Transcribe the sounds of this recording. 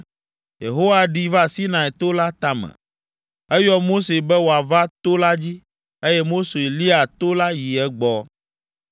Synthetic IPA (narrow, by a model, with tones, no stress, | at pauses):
jḛ˨ɦo˦wa˨ɖi˨va˦˨si˦nã˨ɛ˨t̪o˦la˦t̪a˨mɛ̰̃˨ | ɛ˦jɔ˦mo˦se˨bɛ˦wo˨a˨va˦t̪o˦la˦d͡ʑi˦ | e˦jɛ˦mo˦se˨e˨li˦a˨t̪o˦la˦ji˨ɛ˦ɡ͡bɔ˨